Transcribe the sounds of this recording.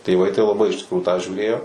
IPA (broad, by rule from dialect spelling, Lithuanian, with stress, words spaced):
tʲeːˈʋɐɪ tɐɪ lˠɐˈbɐɪ ɪʃ tʲɪkˈruːjuː tɑː ʒʲuːˈrʲeːjoː